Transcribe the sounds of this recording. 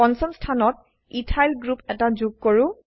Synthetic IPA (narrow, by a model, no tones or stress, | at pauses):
ɔnsɔmstʰanɔt̚ | itʰajlɡɹupɛtazuɡ̚koɹʊ̃